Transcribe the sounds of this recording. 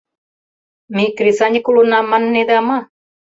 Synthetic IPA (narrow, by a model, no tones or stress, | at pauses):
mikɾisaɲkulunamanːed̪ama